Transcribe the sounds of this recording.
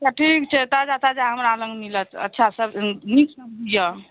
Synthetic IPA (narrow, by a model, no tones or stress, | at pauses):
taʈʰikt͡ʃʰet̪ad͡ʒat̪ad͡ʒaɦəmɾaləŋɡnilət͡ʃə̰tːt͡ʃʰasəbniksəmd̪ijə